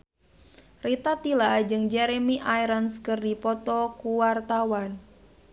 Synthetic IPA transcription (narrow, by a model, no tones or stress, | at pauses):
rit̪at̪ilad͡ʒɨŋd͡ʒɛɾemiʔajɾənskɨrdipɔt̪ɔkuwart̪awan